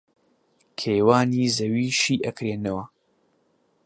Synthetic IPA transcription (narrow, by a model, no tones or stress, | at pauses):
kʰeːwaːniːzɐwiːʃiːʔɐkɾeːnɐwɐ